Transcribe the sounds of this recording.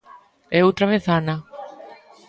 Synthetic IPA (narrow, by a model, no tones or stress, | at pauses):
ɛowt̪ɾaβeθanɐ